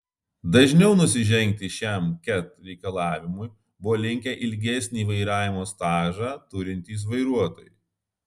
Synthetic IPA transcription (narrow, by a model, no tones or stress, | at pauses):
d̪ɐʒʲnʲɛʊnʊsʲɪʒʲɛŋʲk̚t̪ʲɪʃʲæˑmkʲɛt̪ɾʲɛɪkɐlˠɑːʋʲɪmʊj | bʊʋoːlʲɪŋʲkʲɛʔɪlʲɡʲɛsʲnʲiːʋɐɪɾɑːʋʲɪmoːst̪ɑːʒɑːt̪ʊɾʲɪnʲt̪ʲiːs̬ʋɐɪɾuɔt̪oːjʊ